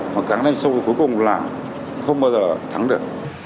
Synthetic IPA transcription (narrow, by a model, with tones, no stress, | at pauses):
maː˨˩kaː˨˥ŋna˧jŋsə˧wku˨˦jkʊ˨˩ŋ͡mlaː˨˩ | xə˧wŋ͡mɓaː˧wzəː˨˩t̪ʰa˨˦ŋɗɨ˨˩ək̚